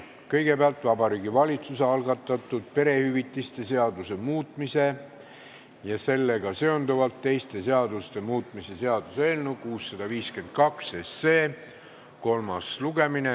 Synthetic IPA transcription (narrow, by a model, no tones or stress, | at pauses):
kɤ̞jɡ̥e̞peɑlt̪ˑvɑbɑɾiːɡivɑlʲit̪suseɑlɡɑt̪ˑːɑt̪ːˑud̪̥̚pe̞ɾe̞hyvit̪ːˑist̪e̞se̞ɑd̪use̞muːt̪ˑmise̞ | jɑse̞lːe̞ɡ̥ɑse̞o̞nd̪uvɑlt̪ːe̞jst̪e̞se̞ɑd̪̥ust̪e̞muːt̪ˑmise̞se̞ɑd̪̥useːlnukuːsːɑd̪̥ɑviːske̞nd̪̥̚kɑkse̞sːe̞ː | ko̞lmɑsluɡ̥e̞mine